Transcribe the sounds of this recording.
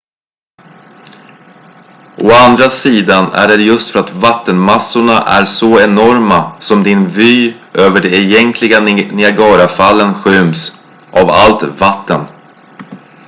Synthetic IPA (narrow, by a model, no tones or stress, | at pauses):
ʔoand̪ɾasiːd̪anæ̰ɖɛjɵst̪fœɾat̪vat̪ːənmasːʊɳaʔæ̰ɾsɔɛnɔɾmasɔmd̪ɪnvyː | ʔøːvəɖɛːjɛŋklɪɡanɪaɡɑːɾafalːənɧʏms | ʔava̰lt̪vat̪ːən